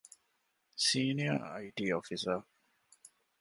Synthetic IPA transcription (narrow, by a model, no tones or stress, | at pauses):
siːniɐ̰ɐ̰iʈiːofisə